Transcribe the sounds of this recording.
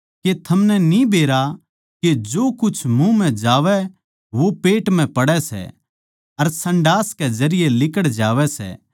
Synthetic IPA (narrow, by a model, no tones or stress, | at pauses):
ket̪ʰɐmnɛnibʱeːɾa | ked͡ʒoːkʊt͡ʃʰmũmɛ̃d͡ʒaːʋɛ | ʋopeːʈm̤ɛ̃pɐɽɛsɛ̰ | ɐɾsɐ̃ɳɖaːskɛd͡ʒɐɾɪjelɪkəɽd͡ʒaːʋɛsɛ̰